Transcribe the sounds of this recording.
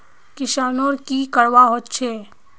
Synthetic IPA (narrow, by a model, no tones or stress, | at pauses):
kɪʃaːnoɾkikəɽʋaɦot̪t͡ʃʰeː